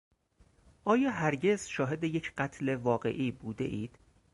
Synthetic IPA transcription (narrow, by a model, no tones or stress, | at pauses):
ʔɒːjɒːɦæɾɟe̞zʃɒːɦe̞d̪e̞je̞cʰɢæt̪ʰle̞vɒːɢe̞̰ʔiːbuːd̪e̞̰ʔiːd̪̥